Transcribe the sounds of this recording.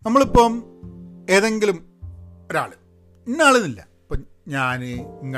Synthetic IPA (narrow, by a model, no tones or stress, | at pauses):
nɐmːɐɭipːom | e̞ːðe̞ŋɡilum | oɾa̰ːɭɨ | inːaːɭunilːɐ | ipːo | ɲaːnɨiŋːɐ